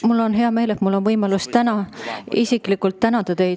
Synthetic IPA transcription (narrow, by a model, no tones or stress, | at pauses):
mulːo̞nɦe̞ɑme̞ːlet̪mulːo̞nvɤjmɑlust̪ænɑisikˑlikult̪ːænɑd̪̥ɑt̪e̞jd̪